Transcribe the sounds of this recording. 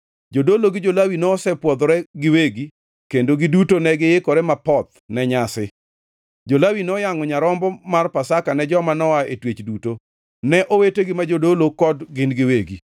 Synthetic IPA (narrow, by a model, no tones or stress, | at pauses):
d͡ʒodoloɡɪd͡ʒolawinɔːsɛpwɔd̪ɾɛɡɪweɡi | kendoɡɪdutonɛɡɪekɔɾɛmapɔt̪̚nɛɲasɪ | d͡ʒolawinɔjaŋɔɲaɾɔmbɔmarpasakanɛd͡ʒɔmanɔaetwet͡ʃduto | nɛʔoweteɡɪmad͡ʒodolokɔdɡɪnɡɪweɡḭ